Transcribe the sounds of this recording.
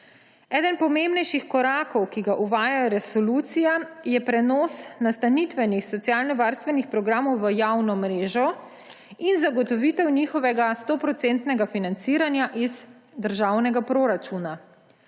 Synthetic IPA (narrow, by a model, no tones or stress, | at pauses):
ɛːd̪ənpɔmembnɛjʃixkɔɾaːkɔwkiɡaʔuʋaːjajɾɛsɔluːt̪sijajɛpɾɛnɔːsnast̪anit̪ʋɛnixsɔt̪sjaːlnɔʋaːɾst̪ʋɛnixpɾɔɡɾaːmɔwʋəjawnɔmɾeːʒɔ | inzaɡɔt̪ɔʋit̪ɛwnixɔʋɛɡast̪oːpɾɔt̪sent̪nɛɡafinant̪siːɾanjaʔiz | d̪əɾʒaːwnɛɡapɾoɾat͡ʃuna